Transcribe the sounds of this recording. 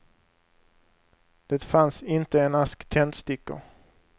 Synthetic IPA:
d̪̥ɛt̪fansɪnt̪əɛnaskt̪ʰɛnt̪st̪ɪkːə̰

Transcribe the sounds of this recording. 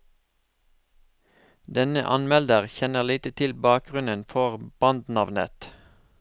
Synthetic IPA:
d̪ɛnə̰ʔɑnmɛld̪əʁçɛnəʁliːt̪ət̪ʰɪlbɑːk̚ɡʁʉnənfɔʁb̥ɑnd̪nɑʋnə̰t̪

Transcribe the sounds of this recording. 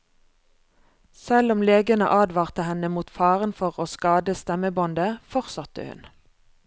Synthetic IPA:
sɛlɔmleːɡənə̰ʔɑːd̪ʋɑːʁt̪əhɛnəmuːt̪fɑːʁənfɔʁoːskɑːd̪əst̪ɛməbɔnd̪əfɔʁsɑt̪ə̰hʉ̰n

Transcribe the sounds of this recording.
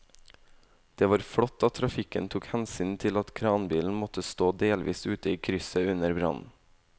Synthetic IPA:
d̪̥eːʋɑːɾfɽɔt̪ːɑt̪ʰɾɑfɪkənt̪ʰuːkhɛnsyːnt̪ʰɪlɑt̪kʰɾɑːnbiːln̩mɔt̪əst̪oːd̪eːlʋʔḭːsʉːt̪əiːkʰɾʏsəʉnəɾbɾɑ̰nn̩

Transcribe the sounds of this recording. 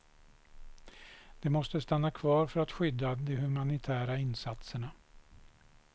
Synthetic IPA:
d̪̥ɛmɔst̪əst̪anːakʰvɑːɾfœɾat̪ɧʏd̪ːad̪ɛhɵmanɪt̪ʰæːɾaɪnsat̪səɳa

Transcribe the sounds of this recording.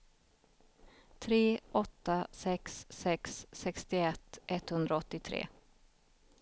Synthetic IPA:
t̪ʰɾeːʔɔt̪ːasɛksːɛksːɛkst̪ɪɛt̪ːʔɛt̪ːhɵnd̪ɾaɔt̪ːɪt̪ʰɾḛː

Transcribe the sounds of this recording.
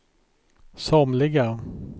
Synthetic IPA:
sɔmlɪɡa

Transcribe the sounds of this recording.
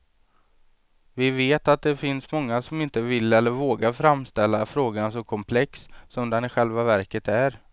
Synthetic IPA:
vɪveːt̪at̪̚d̪ɛfɪnsmɔŋːasɔmɪnt̪əvɪlːɛlːəɾvoːɡaɾfɾamːst̪ɛlːafɾoːɡansɔkʰɔmpʰlɛksːɔmd̪ɛnɪɧɛlvavæɾkət̪æɾ

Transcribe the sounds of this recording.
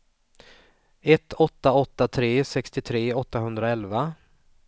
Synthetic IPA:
ɛt̪ʰːɔt̪ːaɔt̪ːat̪ʰɾeːsɛkst̪ɪt̪ʰɾeːɔt̪ːaɦɵnd̪ɾaɛlva

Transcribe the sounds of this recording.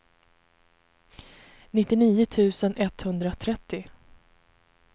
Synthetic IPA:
nɪt̪ːɪniːʊt̪ʰʉ̟ːsənʔɛt̪hɵnd̪ɾat̪ʰɾɛt̪ːɪ

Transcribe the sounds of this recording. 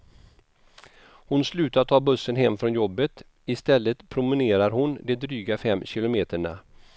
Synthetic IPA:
hʊnslʉ̟ːt̪at̪ʰɑːbɵsːənɦɛmːfɾɔnjɔbːət̪ | ɪst̪ɛlːət̪pʰɾʊmɪneːɾaɾhʊnd̪ɛd̪ɾyːɡafɛmːɕɪlʊmeːt̪əɳa

